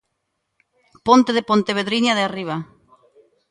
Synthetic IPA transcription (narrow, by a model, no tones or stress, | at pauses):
pont̪eðepont̪eβeðɾiɲaðeariβ̞a